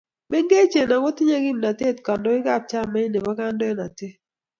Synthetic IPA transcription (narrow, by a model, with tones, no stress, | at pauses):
mɛ˦ŋɡe˦t͡ʃe˨na˨kɔ˦tɪ˦ɲa˦ɡi˦mna˨te˦˨tka˨ndɔ˦ɪ˦ɡa˦˨p̚t͡ʃa˦˨ma˦ɪ˦ne˨ma˦ka˦ndɔ˦ɛ˦na˨te˦